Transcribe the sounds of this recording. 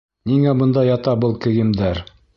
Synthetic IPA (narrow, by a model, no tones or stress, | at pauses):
niŋæbɤ̆nd̪ɑjɑt̪ɑbɤlˠkɘ̆ɡɘ̆md̪æɾ